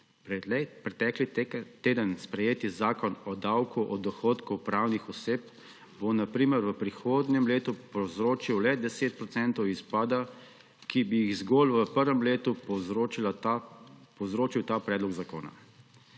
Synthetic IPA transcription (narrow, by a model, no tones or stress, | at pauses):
pɾɛt̪ɛːklit̪eːd̪ənspɾɛjeːt̪izaːkɔnɔd̪awkuʔɔd̪ɔxoːt̪kɔwpɾawnixɔseːp̚ | bonapɾiːməɾʋəpɾixoːd̪nɛmleːt̪upɔwzɾoːt͡ʃiwlɛd̪ɛseːt̪̚pɾɔt̪sɛnt̪ɔwispaːd̪a | kibijiɣzɡoːlʋəpəɾʋɛmleːt̪upɔɾot͡ʃila | pɔwzɾoːt͡ʃiwt̪apɾɛːd̪lɔɡzako̰ːna̰